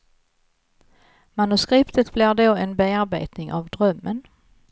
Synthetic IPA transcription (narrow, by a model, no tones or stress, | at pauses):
manɵskɾɪpt̪ət̪blɪɾɖoːɛnbeaɾbḛːt̪nɪŋʔa̰vd̪ɾœmːən